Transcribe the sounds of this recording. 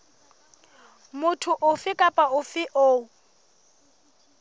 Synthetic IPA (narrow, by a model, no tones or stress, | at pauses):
mʊtʰʊʔʊfɪkʼapʼaʊfɪʔo